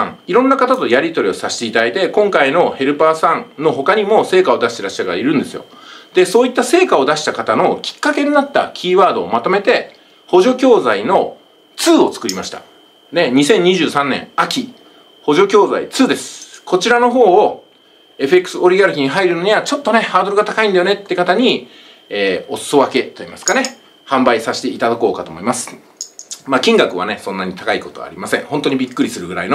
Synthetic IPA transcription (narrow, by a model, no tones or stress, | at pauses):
ã̰ŋiɾõ̞nːakat̪at̪o̞jaɾʲit̪o̞ɾʲio̞saɕi̥t̪e̞it̪ad̪ait̪e̞kõ̞ŋkaino̞he̞ɾɯ̟paːsãŋno̞ɦo̞kaɲ̟imo̞se̞ːkao̞d̪aɕit̪eɾaɕi̥t̪akaaiɾɯ̟̃nd̪e̞sɨjo̞̰ | d̪̥e̞so̞ːit̪ːase̞ːkao̞d̪aɕi̥t̪akat̪ano̞kʲi̥kːake̞ɲ̟inat̪ːa̰kʲʰiːβaːd̪o̞ːmat̪o̞me̞t̪e̞ | ho̞ʑo̞kʲo̞ːzaino̞ | t͡sɨːo̞t͡sɨ̥kɯ̟ɾʲimaɕi̥t̪ḁ̰ | d̪e̞ɲ̟isẽ̞ɲ̟ɲːiʑɨːsãnːẽ̞̰ŋakʲi | ho̞ʑo̞kʲo̞ːza̰ḭt͡sɨːd̪e̞sɨ̥kʰo̞t͡ɕiɾano̞ɦo̞ː | e̞ɸɯ̟e̞kːɯ̟̥sɨo̞ɾiɡaɾɯ̟kʲiɲ̟iɦaiɾɯ̟no̞ɲ̟iβat͡ɕo̞t̪ːo̞ne̞haːd̪o̞ɾɯ̟ɡat̪akaĩnd̪ajo̞ne̞t̪ːekat̪aɲ̟iː | o̞sɨ̥o̞βake̞t̪o̞imasɨ̥kane̞ | hãmbaisaɕi̥t̪e̞it̪ad̪ako̞ːkat̪oːmo̞imasɨ̥ | makʲĩŋɡakɯ̟βa̰ne̞sõ̞nːaɲ̟it̪akaiko̞t̪o̞a̰ɾʲimasẽ̞ŋ̃ho̞nt̪o̞ɲ̟ibʲikːɯɾʲisɨɾɯɡɯ̟ɾa̰ino